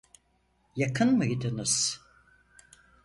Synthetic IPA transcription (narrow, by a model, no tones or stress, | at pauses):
jakʰɯnmɯɡid̪ɯnɯz̥